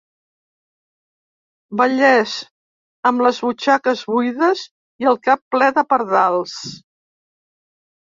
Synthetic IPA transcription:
bəʎɛz | əmləzβut͡ʃakəzβujðəz | iəlˠkapːlɛðəpəɾðalˠs

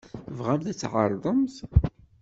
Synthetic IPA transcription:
vʁæmθæt͡sːʕə̰ɾˤðˤəmθ

